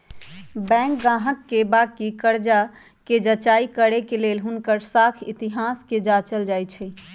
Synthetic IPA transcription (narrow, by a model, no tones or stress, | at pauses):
bɛ̃k̚ɡãɦəkːebakikəɾd͡ʒa | ked͡ʒət͡ʃaikəɾekelelɦunkəɾsakʰit̪iɦasked͡ʒat͡ʃəld͡ʒajt͡ʃʰɛ